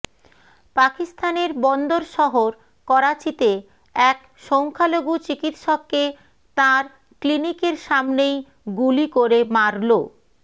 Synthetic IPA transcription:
pakist̪ʰaneɾbɔnd̪oɾʃɔɦoɾ | kɔɾat͡ɕit̪e | ɛk | ʃɔŋkʰaloɡut͡ɕikit̪ʃɔkːe | t̪aɾ | klinikeɾʃamnej | ɡulikoɾemaɾlo

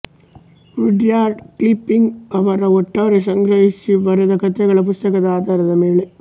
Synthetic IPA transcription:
ɾɪɖjaːɾɖklɪpːɪŋɡɐʋɐɾɐɔʈːɐʋɐɾɐsɐŋɡɾɐɪsːiʋɐɾɯðɐkɐt̪ːɐɣɐɭɐp̬ʊst̪ɐkɐðaːd̪ɐɾɐðɐmeɭɐ

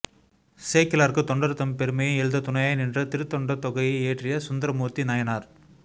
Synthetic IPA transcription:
seːkɪlaːɾkɯt̪ɔɳɖɐɾɯt̪ːɐmpɛɾɯmɐjɐ̃ɛɻɯd̪ɐt̪ʊnɐjaːjnɪndrɐt̪ɪɾɯt̪ːɔɳɖɐt̪ɔɣɐjɐeːʈrɪjɐsʊnd̪ɐɾɐmoːt̪ːinaːjɐnaːɾ

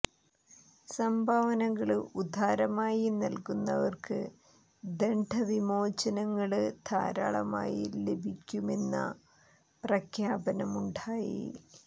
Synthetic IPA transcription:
sɐmbʱaʋɐnɐŋːɐɭud̪ʱaːɾɐmaːjinɐlkunːɐ̰ʋɐrkɨ | d̪eɳɖʱɐʋimo̞ːt͡ɕɐnɐŋːɐɭɨd̪ʰʱa̰ːɾa̰ːɭɐ̰ma̰ːjḭle̞bʱikʲːume̞nːɐ̰ | prɐkʰjaːbɐnɐmuɳɖaːjḭ

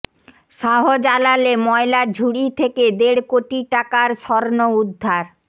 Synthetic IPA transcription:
ʃaɦod͡ʑalalemɔelaɾd͡ʑʱuɽit̪ʰeked̪eɽkoʈiʈakaɾʃɔɾnoud̪ʱːaɾ

